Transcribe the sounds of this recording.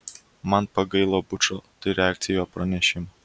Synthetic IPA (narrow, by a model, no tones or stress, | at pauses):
mɐnpɐɡɐɪlˠoːbʊt͡ʃoːt̪ɐɪɾʲɛæːkt̪sʲɪjoːpɾɐnʲɛʃʲɪmɐ